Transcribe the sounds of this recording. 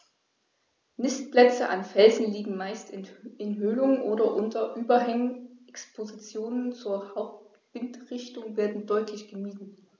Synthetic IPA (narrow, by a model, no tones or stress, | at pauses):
nɪstplɛt͡səʔanfɛlzn̩liːɡŋ̩maɪstɪnɪnɦøːlʊŋənʔoːɾɐʔʊntɐʔyːbɐɦɛŋənʔɛkspʰozit͡sjoːnənt͡suːɐhaʊp̚t | b̥ɪntʁɪçtʊŋveːɐdn̩dɔʏtʰlɪçɡ̥əmiːdn̩